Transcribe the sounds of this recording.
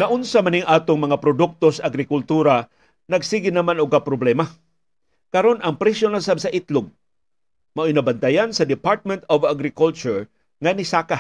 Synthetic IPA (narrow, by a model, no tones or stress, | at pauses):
naʔʊnsamaniŋʔaːt̪oŋmɐŋapɾod̪ʊk̚t̪osaaɡɾɪkʊlt̪uːɾa | nɐɡsiɡɪnɐmanʊɡ̚kapɾoblɛma | kɐɾo̞nɐŋpɾɛsjonasabsaʔɪt̪loɡ̚ | maʔɪnɐbant̪ajansɐd̪ɪpaɹt̪̚mɛnt̪ovaɡɾɪkult͡ʃʊɹ | ŋanisaːka